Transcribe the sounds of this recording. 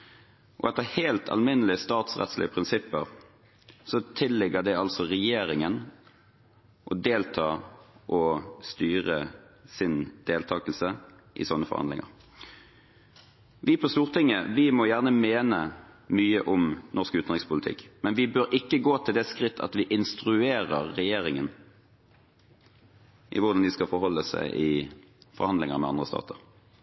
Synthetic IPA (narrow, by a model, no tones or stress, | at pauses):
ʔɔ̰ɛt̪ːəheːlt̪ʰɑ̰lmɪnəlɪəst̪ɑːt̪sʁɛ̰t̪slɪ̰əpʰʁɪnsɪpːəʁ | sɔt̪ʰɪlːɛɡəd̪ɛɑlsɔʁɛjeːʁɪŋən | ʔɔd̪eːlt̪ʰɑːʔɔst̪yːʁəsɪnd̪̥eːlt̪ʰɑːkəl̩sə | ʔɪ̰sɔnːəfɔ̰ʁhɑ̰nd̪ɪŋə̰ʁ | ʋɪpʰɔst̪uːʁt̪ʰɪŋːəʋɪmɔjæːʁnəmeːnəmyːəʔʊmnɔʁskʉːt̪nd̪ʁɪŋspʊlɪt̪ʰɪ̰kːmɛnʋɪbøːɾʔɪkːəɡoːt̪ʰɪld̪ɛskʁɪt̪ːɑ̰t̪ʋɪʔɪnst̪ʁʉeːʁəʁːɛjeːʁɪŋən | ʔɪ̰ʋʊʁd̪ɑnd̪ɪskɑfɔɾɦɔlːəsæ̰ɪʔɪ | fɔʁhɑnd̪lɪŋəɾmɛ̰ɑnd̪ʁəst̪ɑ̰ːt̪ʰəʁ